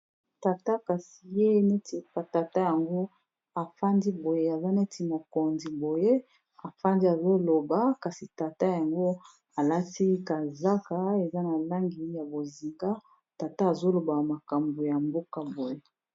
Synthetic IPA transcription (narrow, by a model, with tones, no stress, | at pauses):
ta˨ta˦ka˨si˨je˦ne˦ti˨ka˨ta˨ta˦ja˨ŋɡo˦ | a˨fa˦ndi˦bo˨je˦a˨za˦ne˦tʰi˨mo˨ko˨nzi˨bo˨je˦ | a˨fa˦ndi˦a˨zo˦lo˨ba˨ka˨si˨ta˨ta˦ja˨ŋɡo˦ | a˨la˦ti˦ka˨za˦ka˨e˨za˦na˨la˦ŋɡi˨˦ja˨bo˨zi˨ŋɡa˦ | ta˨ta˦a˨zo˦lo˨ba˨ma˨ka˨mbo˨ja˨mbo˦ka˨bo˨je˦